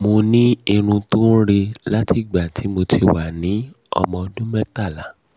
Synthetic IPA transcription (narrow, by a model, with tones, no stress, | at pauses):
mo˧nĩ˦i˧ɾ̃ũ˧tũ˦ɾe˧la˦ti˦˨ɡ͡ba˨ti˨˦mo˧tʰi˧wa˨nĩ˨˦ | ɔ̰˧mɔ̃˧ɔ˧dũ˦mɛ˦ta˦˨la˨